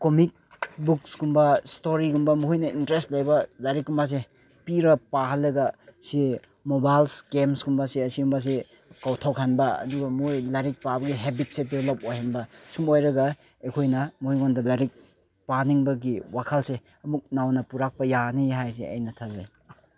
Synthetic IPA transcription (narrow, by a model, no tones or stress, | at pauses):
komik̚ | bukskumbɐstoɾiɡumbɐmuhujnɐintɾestlajbɐlaɾikːumbas̬e | piɾɐpahalːɐɡɐsi | mobajlskemsɡumbaseɐsiumbas̬e | kawtʰawkʰanbɐɐ̰duɡɐmojlaɾik̚pabɐɡiɦebit̚sedeblop̚ojhanbɐsumojɾɐɡɐ | ekʰojnɐmuhijɡondɐlaɾik̚ | paniŋbɐɡiwakʰalse | ɐmuk̚nawnɐpuɾak̚pɐjaniɦajs̬eɐ̰jnɐtʰaza̰j